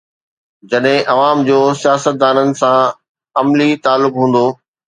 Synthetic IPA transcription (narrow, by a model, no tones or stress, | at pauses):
d͡ʑɐɗɦɪ̃ʔɐʋaːmd͡ʑoːsijaːsət̪̚d̪aːnənɪ̆sã | ɐmlit̪aːlːʊkɦũːn̆d̪oː